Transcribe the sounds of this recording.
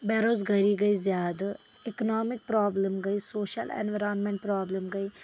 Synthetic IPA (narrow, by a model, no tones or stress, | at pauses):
bɛːɾoːzɡəɾiːɡəiːzjaːd̪a | iknɔːmɪk̚pɾaːbləmɡəiːsoːʃə̰lɛ̰ːnʋəɾaːnmẽɳʈ̚pɾaːbləmɡəiː